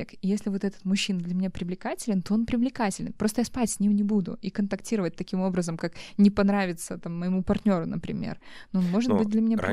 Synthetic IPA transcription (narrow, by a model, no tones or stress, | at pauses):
ekijesʲlʲɪvo̞t̪ɛt̪ə̥t̪mʊɕːind̪lʲɐmʲɪnʲapɾʲɪvlʲɪkatʲɪlʲɪnt̪o̞o̞npɾʲɪvlʲɪkatʲɪlʲɪnpɾot̪əjaspatʲsʲnʲimnʲɪbud̪ʊ̰ikənt̪ɐktʲiɾəvət̚ʲt̪ɐkʲimo̞bɾəzəmkaknʲɪpɐnɾavʲɪt̪sət̪amːəjɪmupɐrtʲnʲo̞ɾʊnəpɾʲɪ̰mʲḛr | noonmo̞ʐɨt̪̚bɨt̚d̪lʲɐmʲɪnʲaɪ